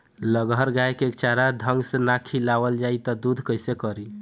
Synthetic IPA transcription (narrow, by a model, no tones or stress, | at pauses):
ləɡəɾɡaekekt͡ʃaɾad̪ʱəŋɡsenakʰilawəld͡ʒait̪ɔd̪ud̪ʱkəjsekəɾi